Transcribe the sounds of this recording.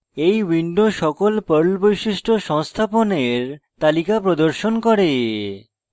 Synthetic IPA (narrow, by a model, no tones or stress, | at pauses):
ejwiɳɖoʃɔkolpəɾlbojʃiʃʈʰoʃɔŋst̪ʰaponeɾt̪alikapɾod̪oɾʃonkɔɾe